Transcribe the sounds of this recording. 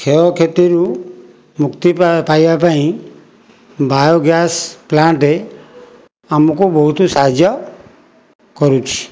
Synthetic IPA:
kʰeɔkʰet̪iɾu | mukt̪ipajbapaĩ | bʱajoɡjasplaɳʈɾe | amɔkubɔɦut̪ɔsaɦd͡ʒjɔ | kɔɾut͡ʃʰi̥

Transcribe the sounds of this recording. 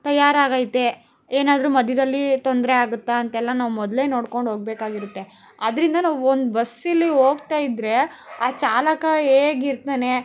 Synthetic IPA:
t̪ɐjːaːɾaːɡaːjt̪ːe̞ | eːnaːd̪ɾuːmɐd̪ʱjɐd̪ɐlːit̪ond̪ɾeaːɡut̪ːaɐnt̪ɛlːɐnaːʋumɔd̪le̞ːno̞ːɽko̞ɳɖɦoːɡ̚beːkaːɡiɾut̪ːe | ɐd̪ɐɾind̪ɐnaːʋuond̪bɐsilːiɦo̞ːɡt̪aːjid̪ɾe̞aːt͡ʃaːlɐkɐeːɡiɾt̪eːne̞

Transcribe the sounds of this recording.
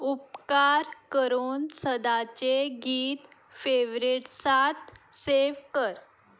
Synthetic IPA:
up̚kaɾkəɾuːnsəd̪at͡ɕeɡiːt̪ | feʋɾiʈsat̪seʋkəɾ

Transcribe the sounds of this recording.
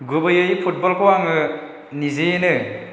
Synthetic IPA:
ɡɯbɯjɯjipʰut̚bɔlkʰowaŋɯ | nizejenɯ

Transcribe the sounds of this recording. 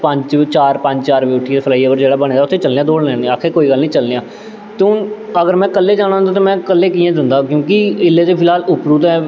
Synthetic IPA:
pəɲt͡ʃt͡ʃaːɾpə̃ɲt͡ʃt͡ʃaːɾbiːʈʰːit̪eːpʰəlaːiːəbəɾd͡ʒeːɽaːbəñẽːd̪aːʊt̪ʰːeːt͡ʃəlnjãːd̪oːɽneːnĩːaːkʰekoːiːɡəlːnĩːt͡ʃəlnejãː | t̪eʊnəɡəɾmɛ̃ːkəlːeːd͡ʒaːñaːənd̪aːt̪eːmɛ̃ːkəlːeːkiːɛ̃ːd̪ɪnd̪aːkjõːkiɪlːeːt̪eːpʰɪlaːlʊpɾuːt̪ɛː

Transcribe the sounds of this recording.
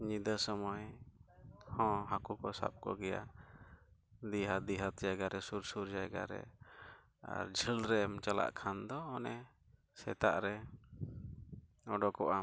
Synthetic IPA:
ɲid̪əsɔmɔj | hɔ̃ɦakukɔsa̰p̚kɔ̰ɡɛja | d̪iɦad̪iɦat̪̚d͡ʒajɡaɾɛsuɾsuɾd͡ʒajɡa̰ɾɛ̰ | a̰ɾd͡ʒʱəlɾɛmt͡ʃala̰ʔkʰand̪ɔːnɛ | sɛt̪aʔɾɛ | ɔɖɔkɔʔa

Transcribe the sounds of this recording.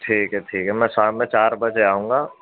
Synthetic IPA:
ʈʰiːkɦɛʈʰiːkɦɛmɛ̃ːsaːmɛ̃t͡ʃaːɾbɐd͡ʒeaːɦũːŋɡaː

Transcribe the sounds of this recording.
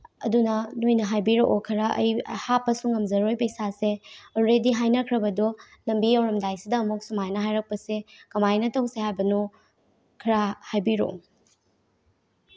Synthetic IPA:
ɐ̰dunɐnojnɐɦajbiɾoʔokʰɐɾɐʔɐ̰jhapːɐsuŋːɐmzɐɾojpɐjsaseɔɾɾediɦajnɐkʰɾɐbɐdɔ | lɐmbijɐwɾɐmdajsidɐːmuk̚sumajnɐɦajɾɐk̚pɐsekɐmajnɐtɐwsehajbɐnu | kʰɐɾahajbiɾo̰

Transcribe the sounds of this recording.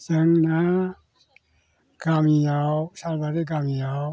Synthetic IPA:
zəŋna | ɡ̥amijasalbaɾeɡamija

